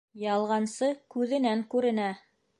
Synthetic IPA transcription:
jɑlˠʁɑnsɤkʉðɘ̆næŋkʉɾɘ̆næ

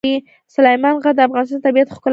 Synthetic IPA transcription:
i | sʊlajmɑnɣad̪əafɣɑnɪst̪ɑnt̪abijat̪xkʊl

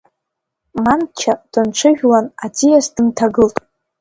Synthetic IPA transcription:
mant͡ʃʰad̥ɨnʈ͡ʂʷʰɨʒᶣlanatʰijasdɨntʰaɡɨltʼ

